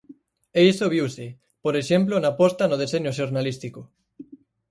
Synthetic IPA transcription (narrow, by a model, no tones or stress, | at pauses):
eisoβ̞iwsɪ | poɾeʃemplonapɔst̪anʊð̞eseɲoʃ̬oɾnalist̪iko